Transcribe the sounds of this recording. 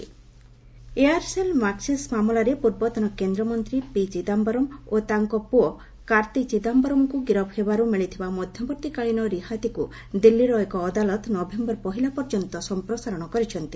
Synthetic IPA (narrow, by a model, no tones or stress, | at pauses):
eaɾselmaksismamulaɾepuɾbɔt̪ɔnɔkend̪ɾɔmɔnt̪ɾipid͡ʒid̪ambɔɾɔmot̪aŋkɔpuɔ | kaɾt̪ikd͡ʒid̪ambɔɾɔmkuɡiɾɔbhebaɾumiɭit̪ʰibamɔd̪ʱjɔbɔɾt̪ikaɭinɔɾihat̪iku | d̪ilːiɾɔekɔːd̪alɔt̪nɔbʱembɔɾpɔɦilapɔɾd͡ʒɔnt̪ɔsɔmpɾɔsaɾɔɽ̃ɔkɔɾit͡ʃʰɔnt̪i̥